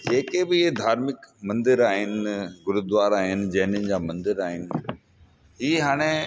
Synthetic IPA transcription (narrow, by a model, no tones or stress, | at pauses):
d͡ʑeːkebɪɪɦed̪ʱaːɾmɪkmɐ̃nd̪ɪɾaːɦɪnɪ̆ɡʊɾʊd̪ʋaːɾaːɦɪnɪ̆d͡ʑɐɦɪnʊnɪd͡ʑaːmɐ̃nd̪ɪɾaːɦɪnɪ̆ | ɦiːɦaːɽ̃e